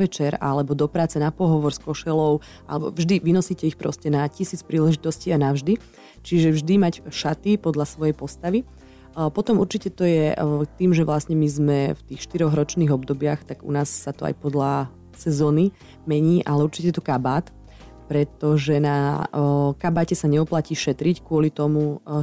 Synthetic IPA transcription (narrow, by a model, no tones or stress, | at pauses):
ʋɛt͡ʃɛɾa̰lɛbɔd̪ɔpɾaːt͡sɛnapɔɦɔʋɔɾskɔʃɛlɔʊ | ʔa̰lɛbɔ̰vʒd̪iʋinɔsiːcɛixpɾɔ̰scɛnacisiːt͡spɾiːlɛʒit̪ɔsciːanavʒd̪i | t͡ʃiʒɛvʒd̪imacʃat̪ipɔd̪lasʋɔjɛjpɔst̪aʋi | pɔt̪ɔmuɾt͡ʃicɛt̪ɔjɛt̪iːmʒɛʋlasɲɛmizmɛft̪iːxʃt̪iɾɔɣɾɔt͡ʃniːɣɔbd̪ɔbɪaxt̪aɡṵnaːsːat̪ɔa̰jpɔd̪la | sɛzɔːni | mɛɲiːʔalɛuɾt͡ʃi̥cɛjɛt̪ɔkabaːt̪ | pɾɛt̪ɔʒɛna | kabaːcɛsaɲɛuplaciːʃɛt̪ɾickʊɔlit̪ɔmu